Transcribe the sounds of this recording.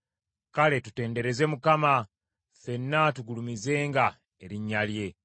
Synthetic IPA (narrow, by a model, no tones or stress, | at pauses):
kale̞tute̞ːnde̞ɾe̞ze̞mukama | fe̞nːatuɡulumize̞ːŋɡa | e̞ɾiɲːalje̞